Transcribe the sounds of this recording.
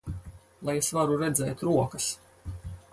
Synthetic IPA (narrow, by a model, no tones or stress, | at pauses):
lˠajesvaɾuɾɛd̪zɛ̰ːt̪ɾuɔkas